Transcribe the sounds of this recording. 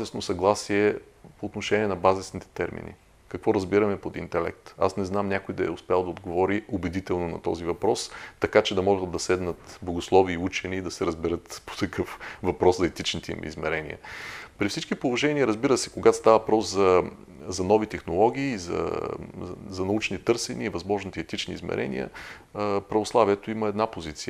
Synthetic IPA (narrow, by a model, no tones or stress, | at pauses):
zɛsnosɐɡlˠasiɛ | poːt̪noʃɛniɛnɐbazɛsnit̪ɛ̥t̪ɛɾmḭnḭ | kɐkvɔɾɐzbiɾɐmɛpod̪ḭnt̪ɛlɛ̰k̚t̪a̰snɛznamnʲakojd̪ɐɛ̰ʊspɛalˠd̪ɐod̪ɡovɔɾiobɛd̪it̪ɛlˠnonɐ̰t̪ɔ̰zivɐpɾɔst̪ɐkat͡ʃɛd̪ɐmɔɡət̪d̪ɐsɛd̪nət̪blˠɐɡoslˠɔviːut͡ʃɛniːd̪ɐsɛɾəzbɛɾɤt̪po̥t̪ɐkɤfvɐpɾɔszɐɛt̪it͡ʃnit̪ɛḭmḭzmɛɾɛnḭə̰pɾifsit͡ʃkipolˠoʒɛnʲiəɾəzbiɾəsɛ̥koɡao̥st̪avɐpɾɔszɐ | zɐnɔvit̪ɛxnolˠɔɡʲiːzɐ̰ | zɐnɐut͡ʃnit̪ɤɾsɛniːvɐzmɔʒnit̪ɛt̪it͡ʃnḭːzmɛ̰ɾʔɛ̰nḭə̰ | pɾɐvoslˠaviɛt̪oiməɛd̪napozit̪siə